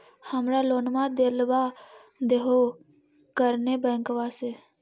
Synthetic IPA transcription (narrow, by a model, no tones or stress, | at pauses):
həmɾaloːnmãd̪eːlʋa | d̪eɦo | kəɾnebɛ̃ːŋkʋaseː